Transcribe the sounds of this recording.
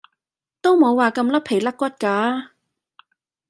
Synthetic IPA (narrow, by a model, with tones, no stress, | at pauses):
t̪o˥wmo˨˧wːaː˨kɐ˧mlɐ˥pʰːe˨˩lɐ˥kːʷɐ˥t̚kaː˨˥